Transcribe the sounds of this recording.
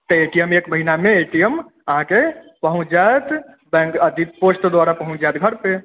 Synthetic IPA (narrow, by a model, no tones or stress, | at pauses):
t̪əeʈijəmekməɦinameeʈijəm | əɦãke | pəɦũt͡ʃjat̪ | bɛ̃ŋkəd̪it̪̚posʈd̪waɾapəɦũt͡ʃjat̪ɡʱəɾpe